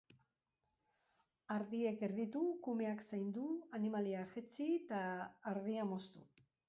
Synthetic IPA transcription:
aɾðie̞ke̞ɾðit̪ukume̞aksajnd̪uanimaliaʝet͡sit̪aːɾðiamo̞st̪u

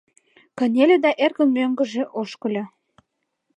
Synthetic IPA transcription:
kə̆nʲelʲed̪ɑʔerkə̆mmøŋɡə̆ʒĕʔoʃkə̆lʲe

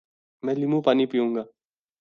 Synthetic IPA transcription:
mɛ̃ːlimũpaːnipijũːŋɡaː

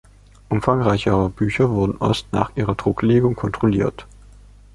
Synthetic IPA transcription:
ʔʊmfaŋʁaɪçəʁəb̥yːçɐvʊɐdn̩ʔɔstna̰ːχʔiːʁɐdʁʊkleːɡʊŋkʰɔntʁ̥oliːɐt

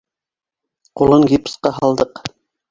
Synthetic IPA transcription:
qulˠɤŋɡʲipsqɑɦɑlˠd̪ɤq

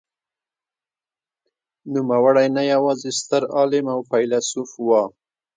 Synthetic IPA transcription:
numawaɽajnajawɑzest̪əɾɑlɪmawpajlasufwɑ

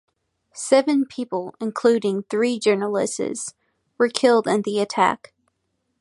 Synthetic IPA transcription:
sɛvɨ̃npʰipl̩ˠɨ̃nkʰl̥ʉɾɪ̃ŋθɹid͡ʒɜ˞nəl̩ˠɪ̰sɪ̰z̥ | wə˞kʰɪlˠdɨ̃nðiɨtʰæ̰k

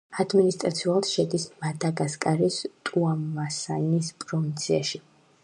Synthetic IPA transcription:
ad̪minist̪ʼɾat̪sʰiulˠt̪ʃɛd̪ismad̪aɡaskʼaɾist̪ʼuamːasainispʼɾɔvint̪sʰiaʃi

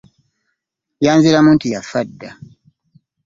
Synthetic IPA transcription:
jaːnziɾamuːntujafadːa

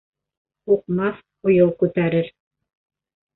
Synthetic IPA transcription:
uqmɑθ | ŏjɤwˠkʉt̪æɾɘɾ

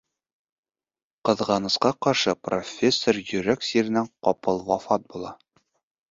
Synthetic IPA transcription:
qɤ̆ðʁɑnɤ̆sqɑqɒɾʃɤpro̞̰fʲesːorjɵ̆ɾæksʲiɾɘ̆næŋqɒpɤlˠwɒfɑt̪̚bulˠɑ

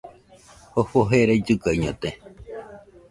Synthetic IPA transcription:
hohoɦeɾaid͡ʒɨkajɲõt̪e

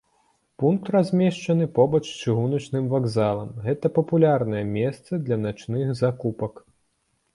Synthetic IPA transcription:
punk̚t̪razʲmʲɛʂt͡ʂɐnɨpɔbɐt͡ʂt͡ʂɨɣunɐt͡ʂnɨmvaɡzalˠɐmɣɛt̪ɐpɐpulʲarnɐjɛmʲɛst̪sɐd̪lʲɐnat͡ʂnɨxzakupɐk

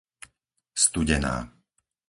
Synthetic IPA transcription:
st̪uɟɛna̰ː

